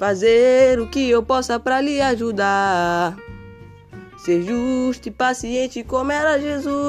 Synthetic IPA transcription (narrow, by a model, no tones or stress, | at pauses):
fazeɾʊkɪewpɔsɐpɾaliaʒud̪a | seʒuʃt̪ipasiẽt͡ʃɪkõmɛɾaʒezu